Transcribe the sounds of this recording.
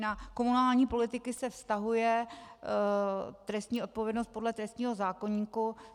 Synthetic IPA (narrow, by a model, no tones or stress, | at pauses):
nako̞munaːlɲiːpo̞lɪt̪ɪkɪsɛfst̪aɦujɛ | t̪ɾɛst̪ɲiːʔo̞t̪̚po̞vjɛdnost̪̚po̞dlɛt̪ɾɛst̪ɲiːɦo̞zaːko̞ɲiːku